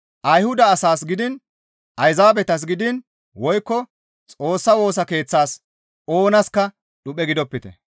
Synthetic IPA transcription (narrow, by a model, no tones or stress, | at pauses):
ʔɐjhʊd̪ɐːsaːsɡɪd̪ɪn | ʔɐjzaːbɛt̪ɐs̬ɡɪd̪ɪn | wɔjkːɔ | t͡sʼo̞ːsːɐwo̞ːs̬ɐke̞ːt͡sːaːs | o̞ːnɐskːɐ | ɗʊpʼːɛɡɪd̪ɔpːɪt̪ɛ̰